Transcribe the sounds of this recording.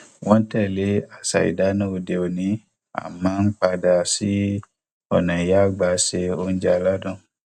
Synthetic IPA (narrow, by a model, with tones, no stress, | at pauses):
wɔ̃˦n̩˦tɛ˦˨le˨˦a˦˨sa̰˨ḭ˨da˨˦nã˦o˧de˧o˨nĩ˨˦ | a̰˨mãː˦n̩˦k͡pa˧da˧si˦ | ɔ˨nã˨i˨ja˦˨ɡ͡ba˨˧˦ʃe˧o˧n̩˦d͡ʒɛ˧a˧la˦dɔ̃˦˨